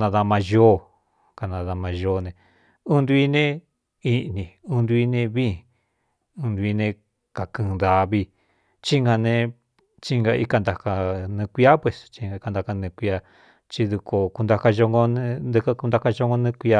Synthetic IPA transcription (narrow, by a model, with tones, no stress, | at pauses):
nã˧ða˧mã˧ʒo˦ | ka˧nã˧ða˧mã˧ʒo˧˦˧nẽ˧ | ũ˦nd̪u˧i˦nẽ˦ | i˧˦˧nĩ˨ũ˦nd̪u˧i˧nẽ˧βĩ˦ | ũ˧nd̪u˧i˧nẽ˧ | ka˨kɨ̃˧ða˧βi˧ | t͡ʃi˦ŋɡa˧nẽ˧ | t͡ʃi˦˧ŋɡa˧i˧˦ka˧nd̪a˨ka˧nɨ̃˧kʷi˦a˦pwe˧˨st͡ʃi˧ŋa˧i˧ka˧nd̪a˧ka˧nĩ˧kʷi˧a˧ | t͡ʃi˧ðu˧ko˧ku˧nd̪a˧ka˧ʒo˧ŋɡo˧ñ˧d̪ɨ˧ka˦ku˧nd̪a˧ka˦˧ʒo˧ŋɡo˧nũ˧kʷi˧a˧